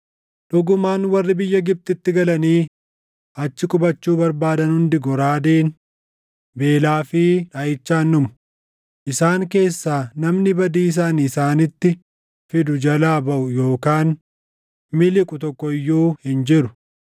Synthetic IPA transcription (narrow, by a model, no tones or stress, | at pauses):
ᶑʊɡʊmaːnwɐrːɪbɪjːɐɡɪb̚t̪ʼɪt̪ːɪɡɐlɐniː | ʔɐt͡ʃːɪkʼʊbɐt͡ʃːuːbɐɾbaːd̪ɐnhʊnd̪ɪɡɔɾaːd̪eːn | be̞ːlaːfɪᶑaːʔɪt͡ʃːaːnːʊmʊ̥ | ʔɪsaːŋke̞ːsːaːnɐmnɪbɐd̪iːɪs̬aːniːsaːnɪt̪ːɪ | fɪd̪ʊd͡ʒɐlaːbɐʔʊjo̞ːkaːn | mɪlɪkʼʊt̪ɔkːɔɪjːuːhɪnd͡ʒɪɾʊ